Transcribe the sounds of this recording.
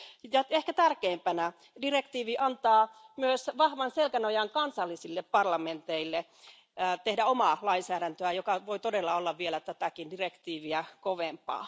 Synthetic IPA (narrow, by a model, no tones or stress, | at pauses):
jɑehkæt̪ærkeːmpænæ | direkt̪iːʋiʔɑnt̪ɑːmyøsʋɑhʋɑnselkænojɑŋkɑnsɑlːisilːeppɑrlɑment̪eilːe | t̪ehdæomɑlɑinsæːɾænt̪øæjokɑʋoit̪odelːɑolːɑʋʋielæt̪æt̪ækindirekt̪iːʋiækoʋempɑ̰ː